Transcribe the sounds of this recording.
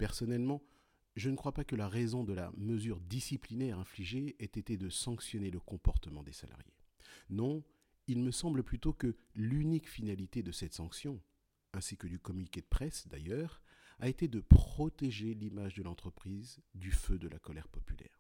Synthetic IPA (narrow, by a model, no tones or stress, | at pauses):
pɛʁsɔnɛlmɑ̃ | ʒənəkχwapakəlaʁezɔ̃d̪əla̰məzyʁd̪isiplinɛʁɛ̃fliʒeɛt̪et̪ɛd̪əsɑ̃ksjɔneləkɔ̃pɔʁt̪əmɑ̃d̪esa̰lʔa̰ʁjḛnɔ̃ | ilməsɑ̃bləplyt̪okəlynikfinalit̪ed̪əsɛt̪sɑ̃ksjɔ̃ | ɛ̃sikəd̪ykɔmynikʲed̪əpχɛsd̪a̰jœːʁaet̪ed̪əpχɔt̪eʒelimaʒd̪əlɑ̃t̪χəpχizd̪yfød̪əlʔa̰kɔlɛʁpɔpylɛ̰ːʁ